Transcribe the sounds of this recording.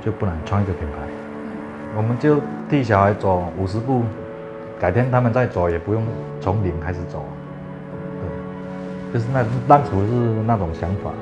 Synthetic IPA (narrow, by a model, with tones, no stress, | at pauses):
t͡ɕjo˥˧ʊpu˥˩nə˧˦ŋt͡sʰwa˥˧ŋi˧˥ɡə˨˩pʰi˨˩npʰa˧˦ɪ | wɔ˨˩mə˨˦nt͡ɕjo˥˧ʊt̪ʰi˥˩ɕ̬ja˨˩ʊha˧˥ɪt͡sɔ˨˩u˨˩ʂ̬ɻ̩˧˥pu˥˩ | ka˨˩ɪt̪ʰjɛ˥nt̪ʰa˥mə˨nt͡sa˥˩ɪt͡so˨˩jɛ˨˩pu˧˦jo˥˩ŋ | t͡sʰo˨˧˥ŋli˨˩ŋkʰa˥ɪʂ̬̩˨˩t͡so˨˩˦ | t̪wɛ˥˩ɪ | t͡ɕjo˥˧ʊʂ̬̩˥˧na˥˧˩t̪a˥˧ŋt͡sʰu˧˥ʂɻ̩˥˧na˥˩t͡sʊ˨˩ŋɕja˧˥ŋfa̰˨˩˦